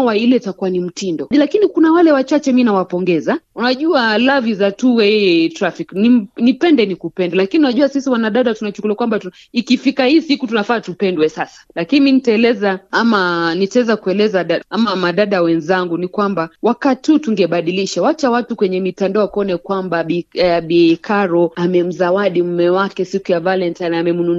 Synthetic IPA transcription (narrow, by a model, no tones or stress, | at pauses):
wailɛitakuwanim̩tindɔlakinikunawalɛwat͡ʃat͡ʃɛminawapɔŋɡɛzaunaʄualavizatuwɛtɾafiknim̩nipɛndɛnikupɛndɛlakiniunaʄuwasisiwanaɗaɗatunat͡ʃukulakwambatu | ikifikahisihikutunafaːtupɛndwɛsasḁlakiniminitaɛlɛzaamanitaɛzakuɛlɛzaɗaamamaɗaɗawɛnzaŋɡunikwambawakatihutuŋɡɛɓaɗiliʃawat͡ʃawatukwɛɲɛmitandaɔakɔnɛkwambaɓiɓiɛkʰaɾɔamɛm̩zawaɗim̩mɛwakɛsikujavalɛntanaːmɛmunu